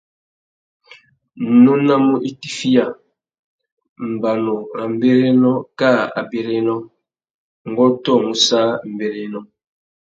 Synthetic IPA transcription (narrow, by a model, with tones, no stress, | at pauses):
nu˦na˦mu˦ʔi˦ti˦fi˦ja˨ | m̩˨ba˨no˨ɾa˨m̩˦be˦ɾe˦nɔ˦ka˦˨a̰˨be˨ɾe˦nɔ˦ | ŋ˨ɡɔ˦tɔ˦˨mu˨sa˦m̩˨be˨ɾe˦nɔ˦